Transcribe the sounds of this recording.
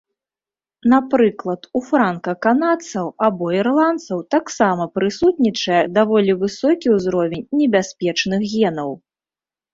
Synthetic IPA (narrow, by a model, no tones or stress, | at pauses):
napɾɨklˠɐt̪ufɾankɐkanat̪sɐwabɔirlˠant̪sɐwt̪aksamɐpɾɨsut̪nʲit͡ʂɐjɛd̪avɔlʲivɨsɔkʲiwzɾɔvʲɛnʲnʲɛbʲasʲpʲɛt͡ʂnɨxɣʲɛnɐw